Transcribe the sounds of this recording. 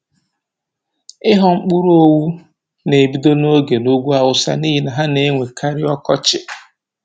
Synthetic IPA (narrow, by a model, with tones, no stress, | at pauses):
ɪ˦ɦɔ˦ŋ͡m̩˦k͡pʊ˦ɾo˦wu˦ | ne˨bi˦do˦no˦ɡe˨no˦ɡʷu˦a˦wʊ˨sa̰˨niː˦ɦi˨na˨ɦa˦ne˨˦ŋʷe˨kʰa˦ɾɪ˦ɔ˦kɔ˦t͡ʃɪ˨